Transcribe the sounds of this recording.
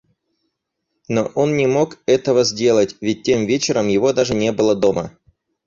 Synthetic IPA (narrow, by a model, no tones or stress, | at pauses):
no̞ʔo̞nnʲɪmo̞kɛt̪əvəzʲdʲe̞lˠətʲvʲɪt̚ʲtʲːe̞mvʲet͡ɕɪɾəmjɪvo̞d̪aʐɨnʲe̞bɨlˠəd̪o̞mə̰